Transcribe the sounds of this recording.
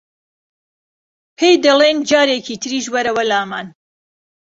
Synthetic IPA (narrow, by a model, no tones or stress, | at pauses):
pʰejd̪ɐlˠend͡ʒaːɾekʰiːt̪ʰɨɾiːʃbɐɾɐwɐlaːmaːn